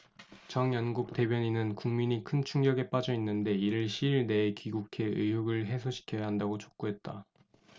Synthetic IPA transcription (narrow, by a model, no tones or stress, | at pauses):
t͡ɕʌŋjʌnɡuk̚t͈e̞bjʌɲinɯnkuŋmiɲikʰɯnt͡ɕʰuŋɡjʌɡe̞p͈ad͡ʑʌinːɯnde̞iɾɯɭɕʰiːɭne̞ːkiɡukʰe̞ɯ̰ɦuɡɯɭɦe̞sʰoɕʰi̥kʰjʌjaɦandaɡot͡ɕo̥k̚k͈uɦe̞t̚t͈a